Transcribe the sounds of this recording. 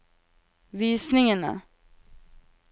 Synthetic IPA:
viːsnɪŋəna̰

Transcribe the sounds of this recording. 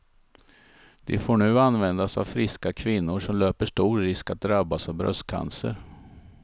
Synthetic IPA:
d̪̥ɛfoːɳʉ̟ːanvɛnd̪asa̰vfɾɪskakʰvɪnːʊʂɔmløːpəʂʈuːɾːɪskat̪̚d̪ɾabːasɔvbɾœ̰st̪̚kʰa̰nsə̰ɾ

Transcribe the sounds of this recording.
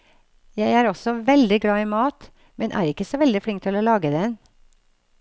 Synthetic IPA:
jæɪæːɾɔsɔʋɛld̪ɪɡɽɑːɪːmɑːt̪ | mɛnʔæ̰ːɾɪkːəsɔʋɛld̪ɪfɽɪŋk̚t̪ʰɪlɔlɑːɡəd̪ɛn

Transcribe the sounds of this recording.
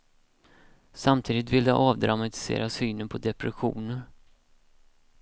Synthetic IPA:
samt̪ʰiːd̪ɪt̪vɪld̪ɛ̰ʔɑːvd̪ɾamat̪ɪ̥sḛːɾasyːnənpʰɔd̪ɛpɾɛɧṵːnəɾ

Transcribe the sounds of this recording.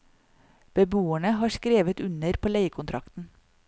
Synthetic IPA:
b̥əbuːæɳəhɑːskɾeːʋət̪ʉnəɾpʰoːleɪəkʰʊnt̪ʰɾɑkt̪n̩

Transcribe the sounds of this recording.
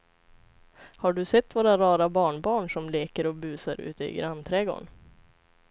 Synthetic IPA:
haɖɵsɛt̪ːvoːɾaɾɑːɾabɑːɳbɑːɳʂɔmleːkəɾɔbʉ̟ːsaɾʉ̰ːt̪əɪ̰ɡɾant̪ʰɾɛɡo̰ːɳ

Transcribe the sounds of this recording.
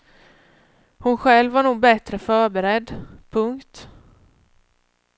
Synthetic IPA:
hʊnɧɛlvaɳuːɡ̚bɛt̪ɾəfœːɾbɛɾɛd̪pʰɵŋkt̪

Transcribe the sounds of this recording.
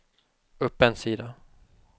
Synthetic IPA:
ɵpːɛnsiːd̪a

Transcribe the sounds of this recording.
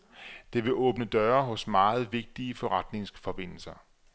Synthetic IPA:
d̥e̝ʋe̝ʔɔ̽ːb̥nəd̥ɶɐɦɔ̽smɑ̈ːð̞̩ˠʋe̝ɡ̥̚d̥iəfɒ̽ʁad̥ne̝ŋsfɒ̽b̥e̝n̰l̩sɐ

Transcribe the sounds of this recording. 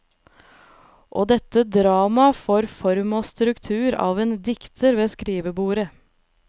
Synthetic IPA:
ʔoːd̪ɛt̪ːəd̪ɾɑːmɑfoːɾfɔɾmoːst̪ɾʉkt̪ʰʉːɾɑ̰ːʋeːnd̪ɪkt̪ʰəɾʋeːskɾiːʋəbuːɾə

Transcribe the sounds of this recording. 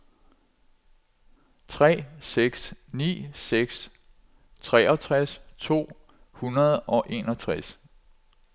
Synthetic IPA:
t͡sʰʁɛ̰ːseɡ̥snḭːseɡ̥s | t͡sʰʁɛɒ̽t͡sʰʁast͡sʰo̝̰ː | hunɐð̞ˠɒ̽ʔe̝nɒ̽t͡sʰʁas

